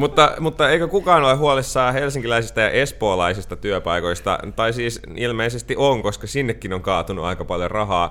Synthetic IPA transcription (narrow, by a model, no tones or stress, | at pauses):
mut̪ːɑmut̪ːɑeikøkukɑːnolehɦuolisːɑːhelsiŋkilæisist̪ɑjɑ̰ʔespoːlɑisist̪ɑt̪yœpɑiko̞ist̪ɑ̰t̪ɑisiːs | ilmeisest̪iʔoŋkoskɑsinːekːinoŋkɑːt̪unuɑ̰ikɑpɑljorɑɦɑː